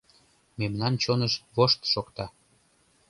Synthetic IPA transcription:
memnɑnt͡ɕonəʃβoʃt̪ʃokt̪ɑ

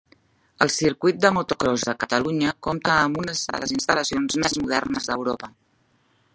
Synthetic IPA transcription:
əlˠsiɾkujt̪̚d̪əmut̪ukɾɔzðəkət̪əluɲəkomt̪əːmbunəzðə̰ləzinst̪ələsionzmezmuð̞ɛ̰rnəzðəwɾopə

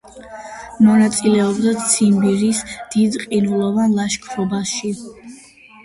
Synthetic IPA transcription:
mɔnat̪sʼilɛɔbd̪at̪sʰimbiɾisd̪̥id̪qʼinulˠɔvanlˠaʃkʰɾɔbasʃi

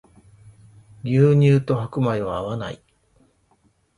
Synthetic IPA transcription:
ɾʲɨːɲ̟ɨːt̪o̞hakɯ̟maiβaːβana̰i

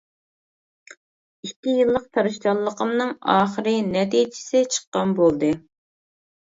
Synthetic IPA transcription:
ikʲʰːijɨlˠːəq̚t̪ʰɑɾɨʃt͡ʃɑlˠːəqʰəmnɨŋɑːχəɾɨnɛt̪ijd͡ʒɪ̥sɪt͡ʃʰə̥qːɑnbolˠd̪ɨ

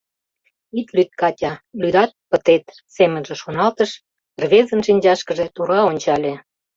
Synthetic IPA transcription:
it̪lyt̪̚kɑtʲɑlyd̪ɑt̪̚pə̆t̪et̪ | semə̆nʒĕʃonɑlt̪əʃ | rβʲezənʃinʲd͡ʑɑʃkə̆ʒet̪uɾɑonʲt͡ɕɑlʲe

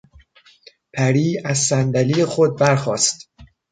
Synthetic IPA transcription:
pʰæɾiːæzsænd̪æliːjexod̪̚bæɾxɒːst̪

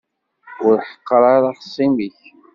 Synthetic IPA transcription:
ʊɾħə̥qːɾˤɑɾˤɑħsˤːimiç

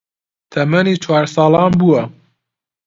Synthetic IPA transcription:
t̪ʰɐmɐniːt͡ʃʰwɑːɾsɑːlɑːnbuwɐ

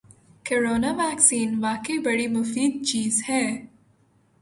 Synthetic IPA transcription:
kəɾoːnaʋɛːksiːnʋaːkəibɐɽimʊfiːd̪̚t͡ʃiːzhɛː

